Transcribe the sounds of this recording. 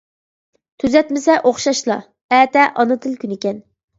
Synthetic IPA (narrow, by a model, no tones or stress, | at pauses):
t̪ʰyzɛt̪mɪsɛʔoχʃɑʃlˠɑ | ɛːt̪ɛʔɑnɨt̪ʰɨlˠkʲynɪkʲɛn